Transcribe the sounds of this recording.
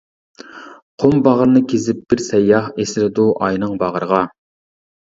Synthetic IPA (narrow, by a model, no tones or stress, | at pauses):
qʰombɑʁəɾnɨkʲʰezɪp̚b̥ɪɾsɛjːɑhesɪlɪd̪uʔɑjnɨŋbɑʁəɾəʁɑ